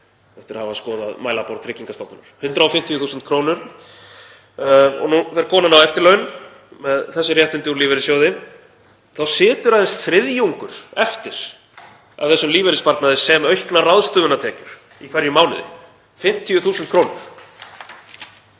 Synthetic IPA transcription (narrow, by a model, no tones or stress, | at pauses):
ɛft̪ɪɾahavaskɔːða̰ðmaːjlapɔɾt̪ʰɾɪciŋkast̪owpnnʏɾ̥hʏnt̪ɾaɔfɪm̥t̪ʰijʏθuːsʏnt̪kʰɾoːwnʏɾ | ɔ̰nufɛɾkʰɔːnanawɛft̪ɪɾlœːɥn | mɛðθɛsːʏrjɛht̪ɪnt̪ɪuɾliːvɛɾɪsjowðɪm | θawsɪːt̪ʏɾaðɛst̪θɾɪðjuŋkʏɾ̥ɛft̪ɪɾ̥ | a̰vθɛsːʏmliːvɛɾɪspaɾt̪naðɪsɛmœɥhknaraðst̪ʏːðʏnat̪ʰɛːcʏɾ̥ | ikʰvɛɾjʏmaːwnɪ̰ðɪ̰ | fɪm̥t̪ʰijʏθuːsʏnt̪̚kʰɾoːwnʏɾ̥